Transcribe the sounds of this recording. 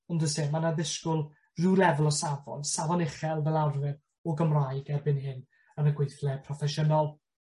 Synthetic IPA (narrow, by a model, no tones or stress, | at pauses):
ɔndɔseːmanaðɪskʊlˠ | rulɛvəlˠɔsavɔ̰nsavɔnɪχɛlˠvɛlˠarvɪn | ɔɡəmrajɡɛrbɪnhɪn | ənəɡwejθlɛpʰrɔfɛʃənɔlˠ